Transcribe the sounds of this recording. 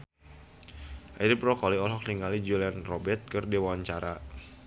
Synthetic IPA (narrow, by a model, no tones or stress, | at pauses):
ʔadəprɔkɔliɔlɦɔk̚niŋalid͡ʒulianrɔbɛt̪̚kərdiwaɲt͡ʃaɾa